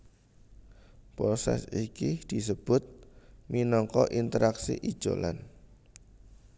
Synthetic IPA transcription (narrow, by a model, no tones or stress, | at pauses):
pɾɔsɛ̰sikid̪̥i̤səb̥ʊt̪̚minɔŋkɔʔint̪əɾaksḭʔid̥ʒ̥o̰lan